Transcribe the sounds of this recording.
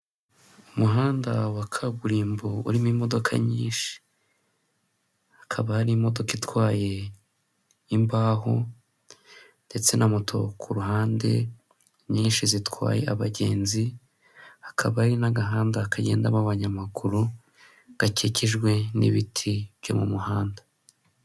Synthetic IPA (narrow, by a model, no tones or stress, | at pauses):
umuɦaːndawakʰaβuɾiːmboṵɾimimo̞do̞kʰa̰ɲiːnʃi̥ | ḁkʰaβahaɾimo̞do̞kitwaːje̞ | imbaːɦo̰ | nd̥e̞t͡se̞nʔamutʰo̞̰kʰuɾuɦaːnde̞̰ | ɲiːnʃizitwa̰ːje̞̰ʔa̰βaɟe̞ːnzi | hḁkʰaβahaɾinaɡaɦaːndakaɟe̞̰ːndamaβaɲamakuɾu | ɡ̥aceciʒɡwe̞nḭβitʰiβ̥jo̰mumuhaːnda